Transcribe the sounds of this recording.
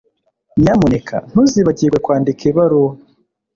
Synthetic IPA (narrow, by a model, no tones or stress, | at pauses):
ɲɲamonekʰa̰n̥huziβaɟiɡwekwaːndikʰeβaɾo